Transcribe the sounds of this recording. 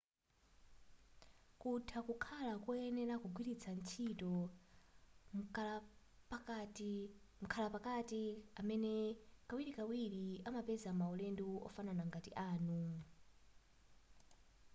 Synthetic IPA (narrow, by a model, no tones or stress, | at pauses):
kutʰakukʰalakɔɛnɛɾakuɡʱwiɾit͡sʰant͡ʃʰitɔ | p | m̩kʰalapakatiamɛnɛkawiɾikawiɺiamapɛzamaɔlɛnduɔ̰fananaŋɡatḭʔaːnu